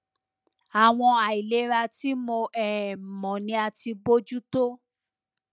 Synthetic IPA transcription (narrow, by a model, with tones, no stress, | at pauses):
a˨w̃ɔ̃˧a˨i˨le˨˦ɾa˧ti˦mo˧ɛ˨mɔ̃˨nĩ˧a˧ti˧bo˦d͡ʒu˦to˦